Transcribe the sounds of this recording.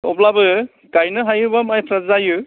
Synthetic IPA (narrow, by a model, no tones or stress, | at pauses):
ɔplabɯ | kajnɯɦajɯbamajpʰɾazajɯ